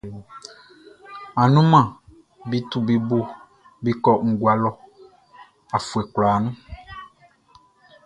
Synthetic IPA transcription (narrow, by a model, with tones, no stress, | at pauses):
a˨nũ˦mã˨ | bi˦t̪u˦bi˨bo˦ | bi˦kɔ˦ŋ̩˨ɡwa˨lɔ˨ | a˨fu˨ɛ˨kla˨nũ˦